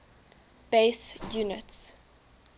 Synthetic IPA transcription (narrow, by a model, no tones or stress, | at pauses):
b̥eɪsjuːnəts